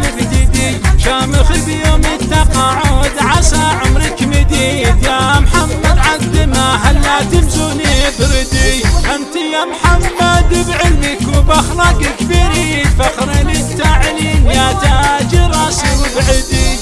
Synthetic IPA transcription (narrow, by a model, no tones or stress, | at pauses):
ibd̪ɪd̪i | ʃaːmɪxibjoːmɪt̪ːɑqɑːʕʊd̪ʕasaʕʊmɾɪkmɪd̪ijamħamːad̪ʕad̪ɪmaħalːat̪ɪbzunibɾɪd̪iʔant̪ijamħamːad̪bʕɪlmikʊbaxɾˤɑkɪkbiɾifaxɾɪnɪt̪ːaʕɪlinjat̪ad͡ʒiɾˤɑsiwbʕɪd̪i